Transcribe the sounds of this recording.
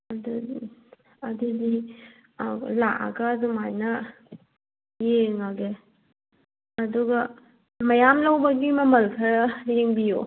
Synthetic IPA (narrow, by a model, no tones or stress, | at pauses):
ɐdu | ɐdidi | laʔa̰ɡaːdumajnɐ | jeŋaɡe | ɐduɡa | mɐjamlawbaɡimɐmɐlkʰajeŋbijo